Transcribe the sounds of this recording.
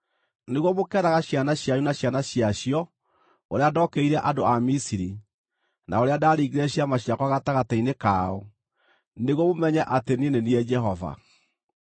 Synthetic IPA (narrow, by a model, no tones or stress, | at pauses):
neɣwɔmokɛɾaɣaɕjanaɕjajunaɕjanaɕiaɕiɔ | oɾeadɔːkeiɾɛʔadoamisiɾi | naoɾeadaɾiɡeɾɛɕiamaɕiakwaɣataɣatainekaɔ | neɣwɔmomɛɲɛʔatenineniɛd͡ʒɛɦɔva̰